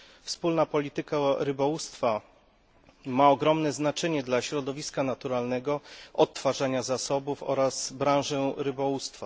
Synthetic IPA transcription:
fspulnapɔlʲit̪ɘkaɾɘbɔwust̪fa | maɔɡɾɔmnɛznat͡ʂɛɲɛd̪laɕɾɔd̪ɔvʲiskanat̪uɾalnɛɡɔɔt̪ːfaʐaɲazasɔbufɔ̰ɾazbɾãw̃ʐɛɾɘbɔwust̪fa

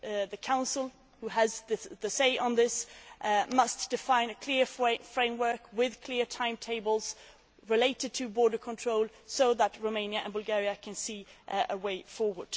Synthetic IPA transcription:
ðɨkʰãʊ̃nsəl̩ˠ | huəzððɨseɪʔə̃nðɪsʔmʌsd̥ɨfãɪ̃nɨkʰl̥ɪɹfɹẽɪ̃mwɜ˞kwɪð̥kʰl̥ɪɹtʰãɪ̃mtʰeɪbl̩ˠz̥ | ɹɨleɪɾɨd̚tʰɨbɔːɹɾə˞kʰə̃ntʰɹ̥oʊlˠ | soʊðət̚ɹoʊmẽɪ̃njɨɨ̰̃nbʊlˠɡɛɹiɨkʰɨ̃nsiəweɪfɔɹwə˞d̥

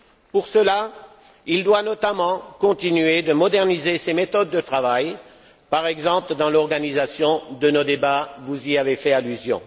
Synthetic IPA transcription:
puʁsəla | ild̪wanɔt̪amɑ̃kɔ̃t̪inɥed̪əmɔd̪ɛʁnizesemet̪ɔd̪ːət̪χavaj | paʁɛɡzɑ̃pləd̪ɑ̃lɔʁɡanizasjɔ̃d̪ənod̪ebavuziavefɛalyzjɔ̰̃

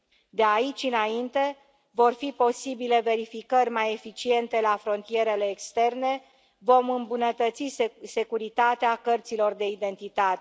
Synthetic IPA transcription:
d̪eait͡ʃʲɨnaint̪e̞ | vo̞rfipo̞sibile̞ve̞ɾifikərʲmaje̞fit͡ʃie̞nt̪e̞lafɾo̞nt̪ije̞ɾe̞le̞ːkst̪e̞rne̞ | vo̞mɨmbunət̪ət̪sise̞kuɾit̪at̪eakərt̪silo̞rd̪e̞id̪e̞nt̪it̪at̪e

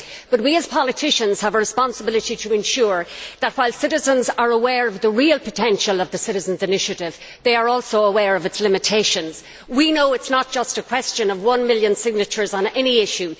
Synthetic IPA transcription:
b̥ʌt̚wiəz̥pʰɑlˠɨtʰɪʃə̃nz̥əvəɹɨspɑ̃nsəbɪlˠɨɾiɾəɪ̃nʃʊːɹðət̚waɪlˠsɪɾɨzə̃nzə˞əwɛːɹʌvðəɹiəlˠpʰətʰɛ̃nʃəlˠʌvðəsɪɾɨzə̃n̩zɨnɪʃɨɾɪv | ðeɪə˞ɔlˠsoʊəwɛɹʌvɨtslɪ̃mɨtʰeɪʃə̃nz̥ | winoʊɨtsnət̚d̥ʒ̥ʌstəkʰw̥ɛst͡ʃɨ̃nʌvwʌ̃nmɪljə̃nsɪɡ̚nɨt͡ʃə˞zn̩ɛniɪʃʉ

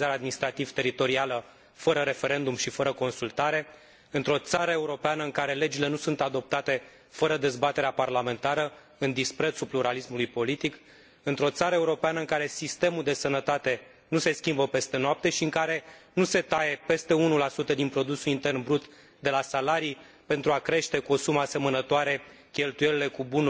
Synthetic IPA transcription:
zaɾead̪minist̪ɾat̪iv̥t̪e̞ɾit̪o̞ɾialə | fəɾəɾe̞fe̞ɾe̞nd̪umʃifəɾəko̞nsult̪aɾe̞ | ɨnt̪ɾo̞t̪saɾəe̞uɾo̞peanəɨŋkaɾe̞le̞d͡ʒile̞nusunt̪ad̪o̞p̚t̪at̪e̞ | fəɾəd̪e̞zbat̪e̞ɾeaparlame̞nt̪aɾə | ɨnd̪ispɾe̞t̪supluɾalismulujpo̞lit̪ik | ɨnt̪ɾo̞t̪saɾəeuɾo̞peanəɨŋkaɾe̞sist̪e̞muld̪e̞sənət̪at̪e̞ | nuse̞skʲimbəpe̞st̪e̞noap̚t̪e̞ʃiɨŋkaɾe̞nuse̞t̪aje̞pe̞st̪e̞unulasut̪əd̪inpɾo̞d̪usulint̪e̞rnbɾut̪ | d̪e̞lasalaɾi | pe̞nt̪ɾuakɾe̞ʃt̪e̞kuo̞sumase̞mənət̪oaɾe̞ | kʲe̞lt̪uje̞lile̞kubunu

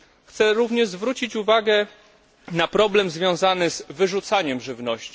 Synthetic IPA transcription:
xt̪sɛɾuvɲɛʐzvɾut͡ɕit͡ɕuvaɡɛ | napɾɔblɛmzvʲjɔ̃w̃zanɘzvɘʐut̪saɲɛmʐɘvnɔɕt͡ɕi̥

